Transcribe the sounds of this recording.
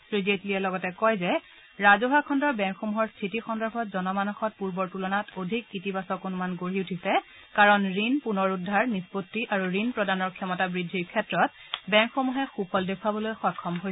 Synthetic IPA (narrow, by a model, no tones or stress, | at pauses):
sɹizetliɛlɔɡɔtɛkɔjzɛ | ɹazoɦakʰɔndɔɹbɛŋkxomuɦɔɹstʰitixɔndɔɹbʱɔtzɔnɔmanɔxɔt̚puɹbɔɹtulɔnatodʱikːitibasɔkonmanɡoɹiutʰisɛ | kaɹɔnɹinpunɔɹudʱːaɹnispotːiʔaɹuɹinpɹɔdanɔɹkʰɛmɔtabɹidʱːiɹkʰɛtɹɔt̚bɛŋkxomuɦɛxupɔldekʰuabɔlojxɔjkʰːɔmɦoj